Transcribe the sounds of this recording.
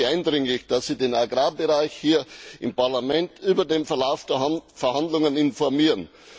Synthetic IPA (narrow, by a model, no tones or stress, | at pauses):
ʔaɪndʁɪŋlɪçd̥asːiːdeːnaɡʁaːbəʁaɪçhiːɐʔɪmpaɐlamɛntʔyːbɐdeːmfɛɐlaʊfd̥eːfɛɐhandlʊŋənɪnfɔɐmiːʁən